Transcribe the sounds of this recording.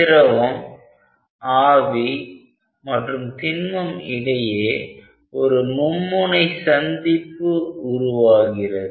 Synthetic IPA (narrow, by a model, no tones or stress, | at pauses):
ɪɾɐʋɐm | aːʋi | mɐʈrɯmt̪ɪnmɐmɪɽɐjeː | ɔɾɯmʊmːɯnɐɪsɐnd̪ɪpːɯʊɾʊʋaːɣɪrɐð